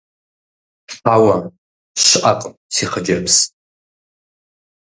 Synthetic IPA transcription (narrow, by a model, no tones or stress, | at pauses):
spʰawa | ʃʷʔaqʼpʼsiχad͡ʒapʰs